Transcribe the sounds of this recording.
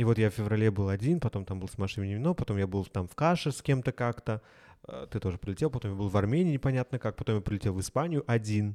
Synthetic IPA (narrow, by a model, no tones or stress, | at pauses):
ivo̞t̪jafʲɪvɾɐlʲebɨlˠɐdʲinpɐt̪o̞mt̪ambɨlˠsmɐʂɨnənʲɪmʲɪnopɐt̪o̞mjabɨlˠt̪amfkaʂɨskʲe̞mt̪əkakt̪ə | t̪ɨt̪o̞ʐəɨpɾʲɪlʲɪtʲelˠpɐt̪o̞mjabɨlˠvɐrmʲenʲɪːnʲɪpɐnʲat̪nəkak̚pɐt̪o̞mjapɾʲɪlʲɪtʲevɨspanʲɪjʊʔɐdʲin